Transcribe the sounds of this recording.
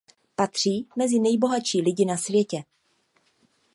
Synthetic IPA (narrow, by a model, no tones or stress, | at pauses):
pat̪r̝̥iːmɛzɪnɛjbo̞ɦat͡ʃiːlɪɟɪnasvjɛcɛ